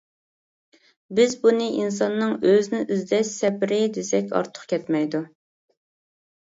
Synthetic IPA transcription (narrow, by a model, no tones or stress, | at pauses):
bɪzbunɨʔins̬ɑnːɨŋøznɪʔyzd̪ɛʃsɛpɾɪd̪esɛkʲɑ̰ɾt̪ʰʊ̥χkʲʰɛt̪mɛjd̪u